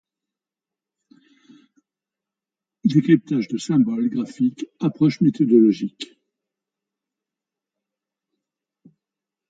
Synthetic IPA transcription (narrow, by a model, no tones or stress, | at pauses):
d̪ekχip̚t̪aʒd̪əsɛ̃bɔlɡʁafikapχɔʃmet̪ɔd̪ɔlɔʒik